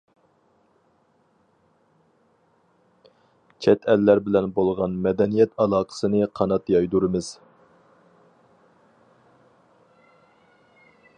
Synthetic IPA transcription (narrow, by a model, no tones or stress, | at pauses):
t͡ʃʰɛt̪ʰɛlːæɾbɪlɛnbolˠʁɑnmɛd̪ɛnijɛt̪ʰɑlˠɑːqʰə̥sɨnɨqʰɑnɑt̪jɑjd̪uɾɨmɨz̥